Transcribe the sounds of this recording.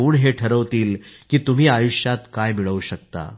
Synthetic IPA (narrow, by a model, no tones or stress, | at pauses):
uːɳɦeʈʰəɾəʋt̪iːlkiːt̪um̤iːajuɕjat̪kajmiɭəʋɕək̚t̪a̰